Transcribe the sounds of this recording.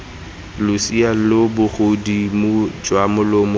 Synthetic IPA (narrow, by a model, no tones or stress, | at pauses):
lʊsialobʊχodimʊd͡ʒwamʊlomʊ